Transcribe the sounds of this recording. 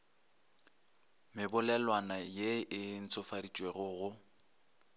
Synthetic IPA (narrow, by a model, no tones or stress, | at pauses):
mɪbʊlɛlwanajeʔɪn̩t͡sʰʼʊfadit͡ʃʼweɣʊɣʊ